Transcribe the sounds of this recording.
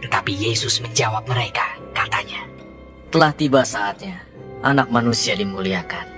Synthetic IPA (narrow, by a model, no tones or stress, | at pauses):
t̪ət̪apijesʊsməɲd͡ʒawap̚məɾekakat̪aɲa | t̪əlaht̪ibasaːt̪̚ɲa | ʔanak̚manusiadimuliakan